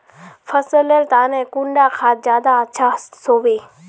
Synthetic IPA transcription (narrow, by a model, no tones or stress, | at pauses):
fʰəsələlt̪aːnɛ̃ːkʊɳɖaːkʰaːt̪̚zjaːd̪aətːʃʰasoːʋeː